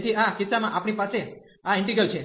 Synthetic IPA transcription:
t̪ʰiakɪt̪samãʔapɳ̃ipase | aɪɳʈiɡəlt͡ʃʰe

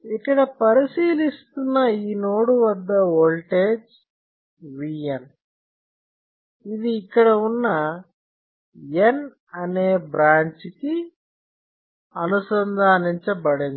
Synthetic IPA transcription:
ikːɐɽɐpɐɾisiːlist̪unːɐiːnoːɽuʋɐd̪ːɐolʈeːd͡ʒ | ʋiːjɐn | id̪iːkːɐɽɐunːɐ | en | ɐneːbɾaːɲt͡ʃiki | ɐnusɐnd̪ʱaːniɲt͡ʃɐbɐɽen

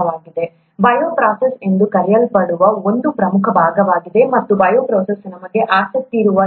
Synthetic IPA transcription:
ɐʋaːɡid̪e̞ | bɐjoːpɾaːsese̞nd̪ukɐɾɛjɐlpɐɽuʋɐo̞nd̪upɾɐmukʰɐbʱaːɡɐʋaːɡid̪e̞mɐt̪ːubɐjoːpɾoːsesnɐmɐɡe̞ʔaːsɐk̚t̪iɾuʋɐ

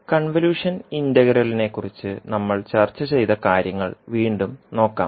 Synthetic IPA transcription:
kɐɳʋɐljuːʂɐnindɐɣɐɾɐline̞kːurit͡ɕːɨnɐmːɐɭt͡ɕɐrt͡ɕːɐt͡ɕe̞jt̪ɐkaːɾjɐŋːɐ̰ɭʋiːɳɖumno̞ːkːa̰ːm

